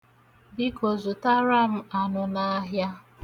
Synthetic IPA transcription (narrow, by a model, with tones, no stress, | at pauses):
bi˦ko˨zu˨ta˦ɾa˦m̩˦a˨nʊ˨na˦ɦja˦